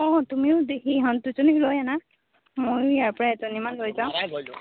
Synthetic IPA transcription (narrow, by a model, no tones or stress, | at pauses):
ɔtumiʊdekiɦɔntuzonilojana | mojijaɹpɔɹaɛzɔnimanlojzãʊ̃